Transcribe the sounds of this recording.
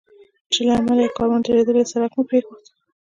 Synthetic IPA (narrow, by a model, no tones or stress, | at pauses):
t͡ʃelaamalajkɑɾunt̪eɾed̪əlesaɾakmapɾexod̪